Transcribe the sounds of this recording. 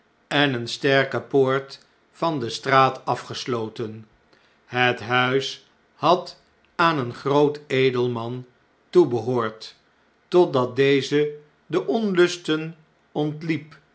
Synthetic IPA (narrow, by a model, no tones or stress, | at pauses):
ɛnənstɛɹkəpoːɹt | fɑndəstraːtɑfχəslowtən | ɦətɦœɥs | hɑt | aːnənχrowtejdəlˠmɑn | tubəɦoːɹt | tɔtdɑt̚dejzə | dəʔɔnlɵstən | ɔntlip